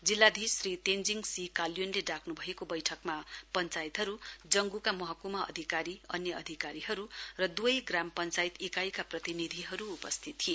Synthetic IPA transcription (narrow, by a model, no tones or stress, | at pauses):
d͡zilːad̪ʱisrit̪end͡ziŋɡsikaljonleɖakʰnubʱʌekobʌjʈʰʌkmapʌnt͡sajit̪ɦʌɾud͡zʌŋɡukamʌɦʌkumʌʌ̰d̪ʱikaɾiʌnjʌʌd̪ʱikaɾiɦʌɾurʌd̪uʌjɡrampʌnt͡sait̪ikajkaprʌt̪inid̪ʱiɦʌɾuːpʌst̪ʰit̪ːʰie